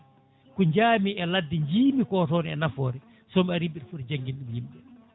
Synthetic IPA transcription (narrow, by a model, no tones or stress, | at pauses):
kuɲd͡ʒaːmiɛladːiɲd͡ʒiːmikɔːtɔːniɛnafɔːɾi | sɔmaɾimɓiɗfuɾd͡ʒaŋɡinɗumjimɓɛ